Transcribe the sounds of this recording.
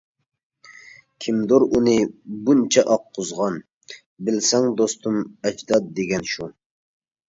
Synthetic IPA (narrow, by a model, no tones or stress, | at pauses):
kʲʰimd̪oɾunɨbunt͡ʃʰɛʔɑqʰːʊzʁɑn | bɪlsɛŋd̪ost̪ʰumɛd͡ʒd̪ɑd̪̚d̪eɡʲɛnʃu